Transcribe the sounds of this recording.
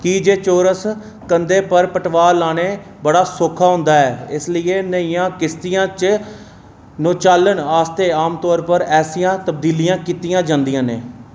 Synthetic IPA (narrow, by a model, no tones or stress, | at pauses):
kiːd͡ʒeːt͡ʃoːɾəs | kənd̪eːpəɾpəʈʋaːlaːneː | bəɽaːsʊːkʰaːɦʊ̃nd̪aːɛːɪslɪeːnəĩːãːkɪst̪ɪjãːt͡ʃ | nõːt͡ʃaːlːəɳaːst̪eːaːmt̪ɔːɾpəɾɛːsijãːt̪əbd̪iːlijãːkiːt̪ɪjãːd͡ʒãːnd̪ijãːnḛː